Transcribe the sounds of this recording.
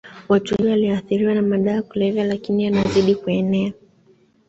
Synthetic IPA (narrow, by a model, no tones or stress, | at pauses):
watuhiɔwaliaθiɾiwanamaɗaːkulɛvalakiniwanaziɗikuɛnɛa